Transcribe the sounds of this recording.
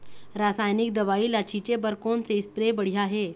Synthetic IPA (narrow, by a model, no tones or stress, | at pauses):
ɾasajnik̚d̪əʋailat͡ɕʰit͡ɕebəɾkont͡sespɾebəɽ̤iaɦe